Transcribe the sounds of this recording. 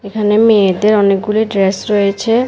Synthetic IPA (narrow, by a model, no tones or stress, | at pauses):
ekʰanemed̪eɾɔnek̚ɡuliɖɾesɾojet͡ɕʰe